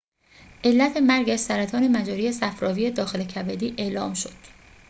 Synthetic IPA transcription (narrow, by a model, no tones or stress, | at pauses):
ʔe̞lːæt̪ʰe̞mæɾɟæʃsæɾæt̪ʰɒːne̞mæd͡ʒɒːɾiːjesæfɾɒːviːje̞d̪ɒːxe̞lecʰæbed̪iːʔe̞ːlɒːmʃo̞d̪̥